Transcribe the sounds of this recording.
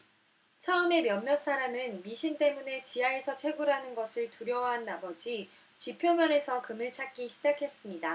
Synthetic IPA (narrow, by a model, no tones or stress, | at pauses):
t͡ɕʰʌɯme̞mjʌnmjʌs͈aɾamɯnmiɕʰint͈e̞mune̞t͡ɕiɦae̞sʰʌt͡ɕʰe̞ɡuɾɦanɯnɡʌsʰɯɭtuɾjʌwaɦanabʌd͡ʑi | t͡ɕipʰjomjʌne̞sʰʌkɯmɯɭt͡ɕʰak̚k͈iɕʰid͡ʑakʰe̞s͈ɯmɲida